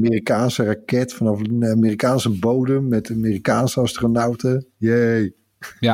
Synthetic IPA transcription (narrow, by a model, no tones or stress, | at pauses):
miːrikaːnsərakɛtfɔnɑfamiːrikaːnsəbowdəmːɛtamiːrikaːnsəɑstrənawtəjej